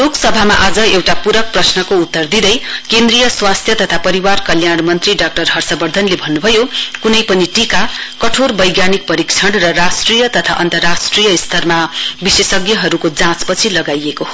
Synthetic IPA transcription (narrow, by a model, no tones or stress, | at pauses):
loksʌbʱamaʔad͡zʌewʈapuɾʌk̚prʌsnʌkout̪ːʌrd̪id̪ʌjkend̪rijʌswast̪ʰjʌt̪ʌt̪ʰapʌɾiwarkʌljaɽmʌnt̪riɖak̚ʈʌrɦʌrsʌbʌrd̪ʱʌnlebʱʌnːubʱʌjokunʌjpʌniʈikakʌʈʰorbʌjɡjanik̚pʌɾikt͡sʰʌɽrʌrasʈrijʌt̪ʌt̪ʰa̰ʔʌnt̪ʌrːasʈrijʌist̪ʰʌrmabisesʌɡjʌɦʌɾukod͡zãt͡spʌt͡sʰilʌɡajekoɦo